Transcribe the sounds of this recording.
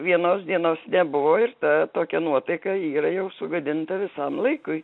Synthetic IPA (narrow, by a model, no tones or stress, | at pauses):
ʋʲiɛnoːsd̪ʲiɛnoːsnʲɛbʊʋoːɪrt̪ɐt̪oːkʲɛnuɔt̪ɐɪkɐiːɾɐjɛʊsʊɡɐd̪ʲɪnt̪ɐʋʲɪsɐmlˠɐɪkʊɪ